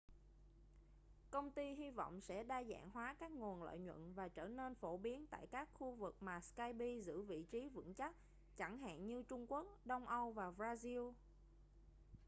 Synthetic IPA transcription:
kə˧wŋ͡mt̪i˧ɦi˧vɔ̰˧˨wŋ͡msɛ̰˧˥ɗaː˧za̰ː˧˨ŋɦwaː˨˦kaː˦˥k̚ŋu˨˩ənlə̰ː˧˨jɲwə̰˧˨nvaː˨˩t͡ɕəː˧˩ne˧nfo˧˩ɓi˨˦ənt̪a̰ː˧˨jkaː˦˥k̚xu˧vɨ˨˩k̚maː˨˩skaː˧jɓi˧zɨ̰˧˥vḭ˧˨t͡ɕi˨˦vɨ̰˧˥ŋt͡ɕa˦˥t̚ | t͡ɕa˧˩ŋɦa̰ː˧˨nɲɨ˧t͡ɕʊ˧ŋ͡mku˦˥ək̚ɗə˧wŋ͡mʔə˧wvaː˨˩vzaː˧zi˧w

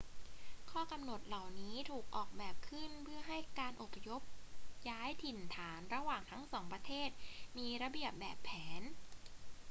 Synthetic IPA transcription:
kʰɔː˥˩ka˧mno˨˩t̪̚la˨˩wniː˦˥t̪ʰuː˨˩k̚ʔɔː˨˩k̚bɛː˨˩p̚kʰɯ˥˩npʰɯ˥˩ɐɦa˥˩jkaː˧nʔo˨˩pʰa˧jo˦˥p̚jaː˦˥jt̪ʰi˨˩nt̪ʰaː˩˦nɾa˧waː˨˩ŋt̪ʰa˦˥ŋsɔː˩˦ŋpɾa˧t̪ʰeː˥˩t̪̚miː˧ɾa˧bi˨˩əp̚bɛː˨˩pʰːɛː˩˦n

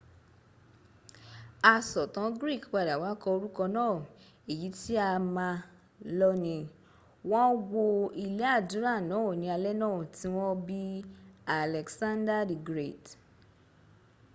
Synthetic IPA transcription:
a˧sɔ˨tã˨˦ɡɾi˦˨kk͡pa˨da˨wa˨˦kɔ˧o˧ɾu˦kɔ˧nãː˦˨ | e˨ji˨˦ti˦a˧mã˧ | lɔ˦nĩ˧ | w̃ɔ̃˦wo˧i˧le˦a˦˨dũ˨˦ɾa˦˨nãː˨˦o˦˨nĩ˨˧a˧lɛ˦nãː˦˨ti˨˦w̃ɔ̃˦bi˦a˨lɛ˨ksã˦nda˦di˨ɡɾe˦˨t

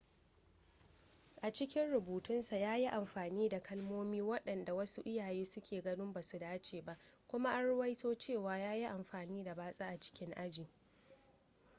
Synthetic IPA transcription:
ʔa˨t͡ʃɪ˦kʲɪ˦nɽʊ˨buː˨tʊ˦nsa˨jaː˦ji˦ʔa˨mɸaː˨niː˦da˨kʰɐ˦lmoː˦miː˦wɐ˦ɗɐ˨nda˨wɐ˦su˦ʔɪ˦jaː˨jeː˦sʊ˦kʲeː˨ɡɐ˦nʊ˦mba˨su˨daː˦t͡ʃeː˨ba˨ʔkʷʊ˦ma˦ʔa˦ɽʊ˦wɐ˦jtoː˦t͡ʃeː˦˨waː˨jaː˦ji˦ʔa˨mɸaː˨niː˦da˨baː˦sʼaː˦ʔa˨t͡ʃɪ̥˦kʲɪ˦ŋʔa˦d͡ʒiː˨

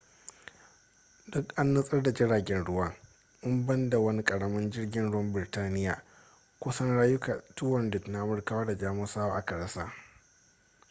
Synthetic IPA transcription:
dʊ˦kʔa˦nːɐ˦sʼɐ˦rda˨d͡ʒɪ˦ɽaː˨ɡʲɛ˦nɽʊ˦wɐ˦ŋ | ʔʊ˦mbɐ˦nda˨wɐ˦ni˦kʼɐ˨ɽɐ˦mɐ˦nd͡ʒɪ˦rɡʲɪ˨˦nɽʊ˦wɐ˦mbɪ˨ɪ˨taː˦nɪ˦ja̰ː˨ | kʷʊ˦sɐ˦nɽaː˦jʊ˦ka˨tʊ˦wɔ˨ndɪ˨tna˦ʔa˨mʊ˨rka˨waː˦da˨d͡ʒaː˦mʊ˦saː˦waː˦ʔa̰˨kɐ˨ɾa˦saː˦

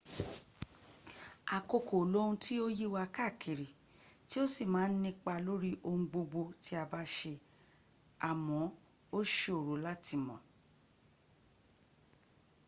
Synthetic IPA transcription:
a˨ko˧ko˨lo˦ɾũ˧tʰi˦o˦ji˦wa˧ka˦˨kʰi˨ɾi˨ | ti˦o˦si˦˨mãː˨˦n̩˦nĩ˦k͡pa˧lo˦ɾi˦ʔo˧ŋũ˧ɡ͡bo˧ɡ͡bo˧ti˦a˧ba˦ʃe˧ | a˨mɔ̃˨˦ | o˦ʃe˦o˨ɾo˨˦la˦ti˦˧mɔ̰̃˨

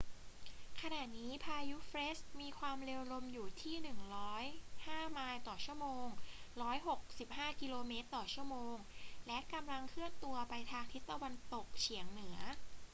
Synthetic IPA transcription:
kʰa˧naː˨˩t̪̚niː˦˥pʰaː˧ju˦˥fɾe˦˥s̚miː˧kʰwaː˧mɾeː˧wɾo˧mjuː˨˩t̪ʰiː˥˩nɯ˨˩ŋɾɔː˦˥jhaː˥˩maː˧jt̪ɔː˨˩t͡ɕʰu˥˩əmoː˧ŋɾɔː˦˥jɦo˨˩k̚si˨˩p̚haː˥˩ki˧loː˧meː˦˥t̪ːɔː˨˩t͡ɕʰu˥˩ɐəmoː˧ŋlɛ˦˥ka˧mla˧ŋkʰɯ˥˩ənt̪u˧ɐpa˧jt̪ʰaː˧ŋt̪ʰi˦˥t̪ːa˧wa˧nt̪o˨˩k̚t͡ɕʰi˩˦əŋnɯ˩˦ɐ

